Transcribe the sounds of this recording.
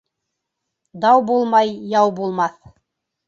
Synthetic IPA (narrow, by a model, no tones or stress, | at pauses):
d̪ɑwbulˠmɑjːɑwbulˠmɑθ